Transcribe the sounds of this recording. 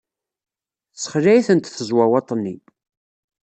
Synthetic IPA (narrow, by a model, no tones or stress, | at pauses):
θsə̥χlæiθənt̪θəzwæwɑt̪ˤːnːi